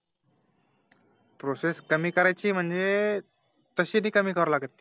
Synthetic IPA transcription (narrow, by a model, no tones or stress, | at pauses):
pɾoseskəmiːkəɾajt͡ɕiːm̤əɳd͡ze | t̪əɕiːniːkəmiːkəʋəɾlaɡət̪̚ːi